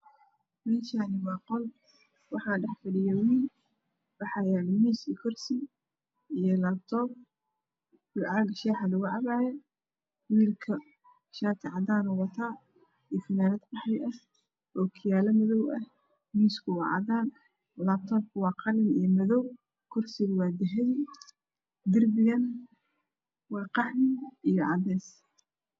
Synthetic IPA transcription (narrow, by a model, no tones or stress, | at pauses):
mɛːʃaːnɪwɑːqɔl | wɑħɑɖɛħfɐɽɪjɛwiːl | bɑħɑjaːnmiːsikʰɔrsi | ijɔlaːb̚t̪ʰɔːb̚ | wʊʕɑɡʃɛːħɑlʊɣʊʕɑβaːjɛ | wiːlkʰɐ | ʃaːt̪ʰɪʕɑdaːnʊwɑt̪ʰaː | ifɪnaːnɐd̪bɑħɑjʔɐh | ʔɔːkʰɪjaːlɐmɐðɔwʔɐh | miːskʰʊwɑ̰ːʕɑ̰daːn | laːb̚t̪ʰɔːb̚kʰʊwɑːqɑlɪnijmɐðɔw | kʰʊrsɪɣʊwɑːd̪ɪɦɛj | d̪ɪrbɪɣɐn | wɑːqɑħmɪijɔʕɑd̪ɛːs